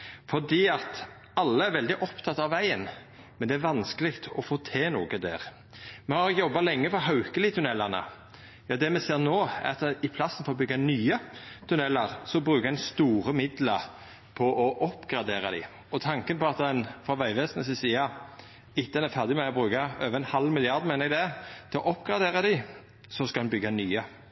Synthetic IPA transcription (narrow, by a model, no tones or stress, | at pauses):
fɔd̪iːɑt̪ | ɑlːəæɾʋɛld̪ɪʔɔpt̪ʰɑt̪ːɑʋːæɪən | mɛnd̪ɛæɾʋɑnskəlɪkt̪ɔfoːt̪ʰeːnṵːɡəd̪æ̰ːʁ | mɛhɑɾɪjɔbːɑlɛŋːəfɔɦɑʉkəlɪt̪ʰʉnɛlːɑʁnə̰ | jɑːd̪ɛmɛseːɾnoːæ̰ɾɑt̪ɛɪpʰlɑsːən̩foɾɔbʏɡːɑnyːət̪ʰʉnɛlːəɾsɔbɾʉːkəæɪnst̪uːɾəmɪd̪ləɾ | pʰɔʔɔʔɔpːɡɾɑd̪eːɾɑd̪ɪ̰ | ɔt̪ʰɑŋkənpʰɔɑt̪ɛnfʁɑʋæɪʋeːsənəs̬ɪsiːɑ | ɪt̪ːəɛnæɾfæʁd̪ɪmɛɔbɾʉːkɑøːʋəɛnhɑlːmɪlɪɑʁd̪menəɾɛɡd̪ɛt̪ʰɪlɔʔɔpːɡ̥ʁɑd̪eːʁɑd̪ɪ | sɔskɑd̪ɛnbʏɡːɑnyːə